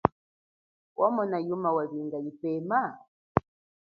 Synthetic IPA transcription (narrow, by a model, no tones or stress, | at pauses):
wʔamɔnajumawaβiŋɡajipɛma